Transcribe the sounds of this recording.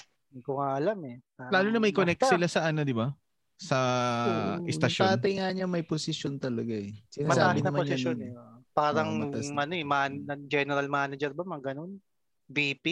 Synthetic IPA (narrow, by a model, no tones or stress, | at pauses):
kʊŋaʔɐlamɛ | alaːlonɐmɐjkonɛk̚t̪sɪlasɐʔanod̪ɪba | sɐ | ʔɪst̪ɐʃt̪aːt̪ɐjŋaɲɐmɐjposɪʃjont̪ɐlɐɡaɛsɪnamɐsaaːbɪɐmɐpsɪsonɛpaːɾɐŋɐʔɐnoɛmanɐd͡ʒɛnɛɾɐlmaːnɐd͡ʒɛɾbɐmɐɡɐnon | biːpi